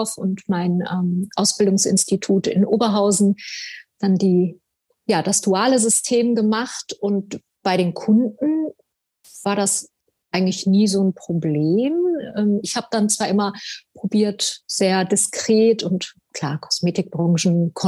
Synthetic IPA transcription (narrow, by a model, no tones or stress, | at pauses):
fʔʊntmaɪnʔɛːmʔaʊsb̥ɪldʊŋsʔɪ̰nstitʰuːtɪ̰nʔoːbɐɦaʊzn̩d̥andiː | jaːdasd̥uaːləzʏstʰeːmɡəmaχtʔʊnt̚ | b̥aɪɾeːnkʰʊndn̩ | v̥aːɐdas | ʔaɪɡŋ̩tlɪçniːzoːnpʁ̥obleːmʔɛːmɪçhaːbəd̥ant͡sv̥aːɐʔɪmɐpʁ̥obiːɐtz̥eːɐdɪskʁ̥eːtʰʊnt | kʰl̥aːɐkʰɔ̥smeːtɪk̚b̥ʁɔ̃ŋʒn̩kʰɔ